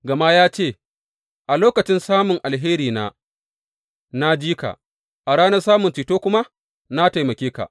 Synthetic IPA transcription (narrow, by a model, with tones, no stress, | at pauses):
ɡɐ˨ma˦jaː˦t͡ʃeː˦˨ | ʔa˨loː˦kɐ˨t͡ʃɪ˦nsaː˦mʊ˨ŋʔa˨lɦeː˦ɾiː˨na̰ː˦ | na˦d͡ʒiː˦ka̰˨ | ʔa˨ɽaː˦nɐ˦rsaː˦mʊ˨nt͡ʃiː˨toː˦kʷʊ˦ma˦ | na˦ta˨jmɐ˨kʲeː˦ka̰˨